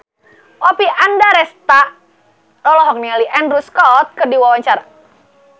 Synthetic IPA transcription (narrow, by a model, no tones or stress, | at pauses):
ɔpiʔandaɾɛst̪aʔ | lɔlɔɦɔk̚nialiʔɛnruskɔt̪̚kədiwawaɲt͡ʃaɾa